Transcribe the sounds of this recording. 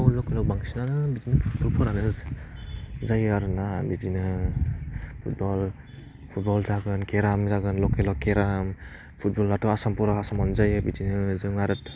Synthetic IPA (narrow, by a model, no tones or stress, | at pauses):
awlɔkelɔbaŋisinanɯbid͡ʒinɯpʰut̚bɔlpʰɔɾanɯ | zajaɾɯnabid͡ʒinɯ | pʰut̚bɔl | pʰut̚bɔlzaɡɯnkeɾamzaɡɯnlɔkelɔkeɾam | pʰut̚bɔlːatɔasampɔɾaasamɔnzajɯbid͡ʒinɯzɯŋaɾɯt̚